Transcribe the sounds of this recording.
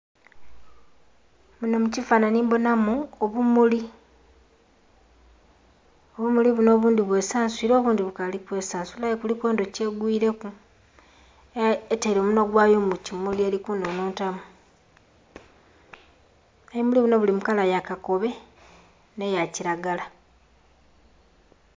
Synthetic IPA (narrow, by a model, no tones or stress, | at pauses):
munamucifaːnaniːmbo̞namuoβumuli | oβumuliβuno̞ːβuːndiβwe̞ːsaːnswiːɾoːβuːndiβukalikwe̞saːnsulajekuliko̞ːndoce̞ːɡwiːɾe̞ku | eteːɾo̞ːmunoɡwaːjo̞ːmucimulielikuːndonoːntamu | ajimuliβuno̞βulimukalajakako̞βe̞ | ne̞jaciɾaɡala